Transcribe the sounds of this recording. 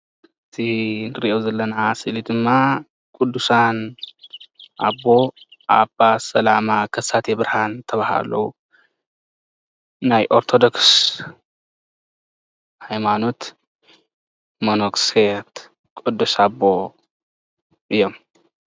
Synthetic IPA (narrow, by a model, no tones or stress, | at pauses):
ɨt̪ʰinɨɾiʔewzɐlːɐnasɨlid̪ɨmːa | kʼud̪ːusan | ʔa̰bːo̞ | ʔabasɐlamakʰɐsat̪ebɾhant̪ʰɐβaha̰lɐ̰u | najʔo̞ɾt̪ʰod̪o̞ks | hajmano̞t̪ | monokset̪ | kʼud̪ːusabːo̞ | ʔɨjːo̞m